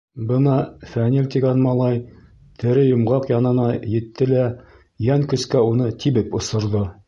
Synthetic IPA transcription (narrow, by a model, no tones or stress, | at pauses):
bɤnɑfænilʲt̪iɡɑnmɑlˠɑj | t̪ʰɘ̆ɾɘjŏmʁɑqjɑnɤ̆nɑjɘ̆t̪ːɘlæ | jæŋkɵ̆skæunɤt̪ʰiβɘpŏsɤ̆ɾðo